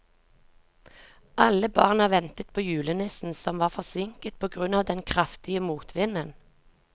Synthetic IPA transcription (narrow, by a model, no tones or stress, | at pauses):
ʔɑləbɑ̰ːʁnɑʋɛnt̪ət̪̚pʰoːjʉːlənɪsn̩sɔmʋɑːʁfɔʁsɪŋkət̪̚pʰoːɡʁʉnɑːʋd̪ɛnkʰʁɑft̪ɪəmuːt̪ʰʋɪnən